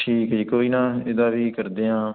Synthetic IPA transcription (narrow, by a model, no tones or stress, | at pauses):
ʈʰiːkd͡ʒiːkoːiːnãːed̪aːʋiːkəɾd̪eːãː